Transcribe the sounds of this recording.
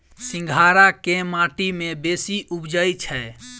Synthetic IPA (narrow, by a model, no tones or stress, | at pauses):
sĩŋɡʱaɾakemaʈimebesiʔubd͡ʒəjt͡ʃʰɛ